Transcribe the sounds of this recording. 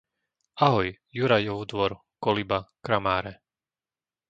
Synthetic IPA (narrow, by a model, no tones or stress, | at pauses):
aɦɔj | juɾajɔʊd̪ʋɔɾ | kɔlibakɾamaːɾɛ